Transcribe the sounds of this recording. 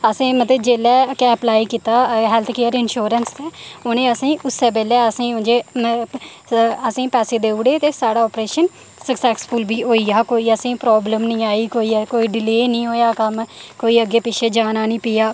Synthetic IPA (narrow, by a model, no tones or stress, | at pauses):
əsĩːmət̪ləbd͡ʒeːlɛːkɛːəplaːiːkiːt̪aːɦɛːlt̪ʰkeːəɾɪnʃoːɾənst̪eːoːnẽːəsĩːʔʊsːeːbeːlɛːəsĩːʊ̃nd͡ʒeː | əsĩːpɛːseːd̪eːʊɽeːt̪eːsaːɽaːɔːpɾeːʃən | səksɛːksfʰʊlbiːɦoːiːaːkoːiːəsĩːpɾɔːbləmnĩːaːiːkoːiːkoːiːɖɪleːnĩːɦoːjaːkəmkoːiːəɡeːpɪʃʰeːd͡ʒaːnaːnĩːpijaː